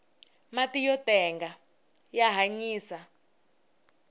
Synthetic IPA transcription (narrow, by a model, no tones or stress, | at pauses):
matijɔtʼɛŋɡa | jaɦaɲiːsa